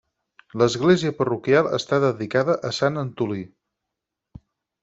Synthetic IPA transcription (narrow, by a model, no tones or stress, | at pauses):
ləzɣleziəpərukjalˠə̰st̪aðəðikaðəʔəsanənt̪uli